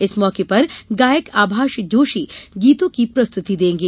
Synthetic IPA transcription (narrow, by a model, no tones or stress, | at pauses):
ɪsmɔːkepɐɾɡaːjəkaːbʱaːʃd͡ʒoːʃiːɡiːt̪õkipɾɐst̪ʊt̪id̪ẽːŋɡeː